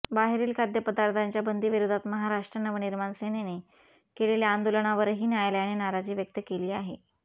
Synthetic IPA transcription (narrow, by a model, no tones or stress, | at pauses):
baɦeɾiːlkʰad̪ʱjəpəd̪aɾt̪ʰaɲt͡ɕjabənd̪iːʋiɾod̪ʱat̪məɦaɾaʂʈɾənəʋniɾmansenene | keleljaand̪oləɳ̃aʋəɾɦiːnjajljaɽ̃inaɾad͡ʑiːʋjək̚t̪əkeliːaɦe